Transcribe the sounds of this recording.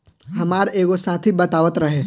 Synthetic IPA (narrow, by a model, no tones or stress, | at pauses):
hɐmaːɾeːɡosãːt̪ʰibɐt̪aːʋət̪ɾɐɦe